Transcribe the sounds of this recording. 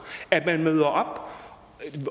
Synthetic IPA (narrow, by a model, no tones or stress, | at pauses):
æt̚mænmøðˠɐʔɒb̥